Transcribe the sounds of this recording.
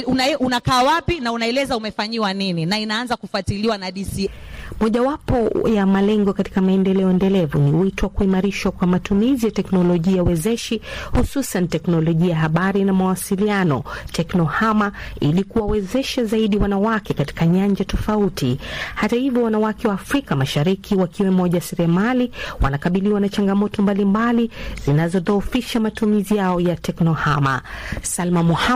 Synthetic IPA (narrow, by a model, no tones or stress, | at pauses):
ununakaːwapinaunaɛlɛzaumɛfaɲiwanininainaanzakufwatiliwanaɗisimɔʄawapɔjamalɛŋɡɔkati̥kamaɛndɛlɛɔɛndɛlɛvuniwitɔwakuimaɾiʃwakwamatumizijatɛknɔlɔʄiauwɛzɛʃihususantɛknɔlɔʄiajaɦaɓaɾinamawasilianɔtʰɛknɔhamailikuwawɛzɛʃazaiɗiwanawakɛkati̥kaɲaɲd͡ʒatɔfautihatahivjɔwanawakɛwaːfɾikamaʃaɾikʰiwakiwɛmɔʄasɛɾɛamaliwa̰nakaɓiliwanat͡ʃaŋɡamɔtɔmbalimbaliz̥inazɔðɔːfiʃamatumizijaɔjatɛknɔhama̰salmamuha